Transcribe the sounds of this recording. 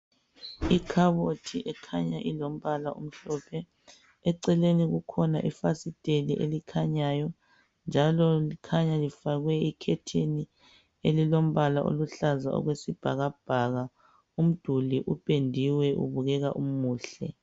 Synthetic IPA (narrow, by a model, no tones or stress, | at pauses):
ikʰaβotʰiʔɛkʰaɲaʔilom̩βalaum̩ɬɔpʰɛ | ɛǀɛleniɣukʰɔnaʔifasitʼeliʔelikʰaɲajɔ | nd͡ʒʱalɔlikʰaɲalifaɣwɛikʰɛtʰeni | elilom̩βalaʔo̰luɬaza̰ʔɔ̰ɣwesib̥ʱa̰ɣab̥ʱaɣa | um̩d̥ʱuliʔupʼendʱiwɛʔṵβuɣɛɣaʔumuːɬɛ̰